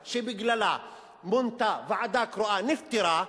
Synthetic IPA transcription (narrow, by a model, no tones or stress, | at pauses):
ʃibɪɡlala | mʊnt̪avaʕad̪aːkɾʊʔanɪft̪ɪɾa